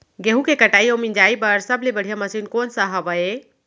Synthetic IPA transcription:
ɡeɦũkekəʈaiomind͡ʒaipəɾsəblebəɽ̤ijaməsinkonsəɦəbəe

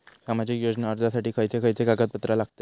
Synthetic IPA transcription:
samad͡ʑikjod͡ʑnaəɾd͡zasaʈiːkʰəjt͡sekʰəjt͡seɡaɡat̪̚pət̪ɾalaɡ̥̚t̪e

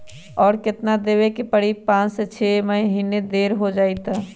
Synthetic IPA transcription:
ɔːɾkɪt̪nad̪eːwekipəɽipãːt͡ʃset͡ʃʰeːməɦɦiːned̪eːɾɦod͡ʒaːit̪aː

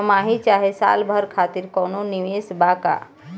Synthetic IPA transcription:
maːɦit͡ʃaɦesa̰lbʱəɾkʰaːt̪iɾkɔnoniʋeːsbaːka̰

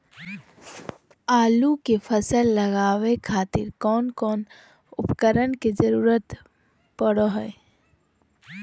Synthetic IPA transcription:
aːlukepʰəsəlːəɣaːwekʰaːt̪ɪ̰ɾkɔːnkɔːn | ʊpkəɾənked͡ʒəɾuːɾət̪ | pəɽoɦɛː

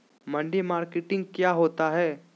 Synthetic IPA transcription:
mɐ̃ɳɖemaːɾkeʈɪ̃ŋɡ̚kjaːɦoːt̪aɦɛː

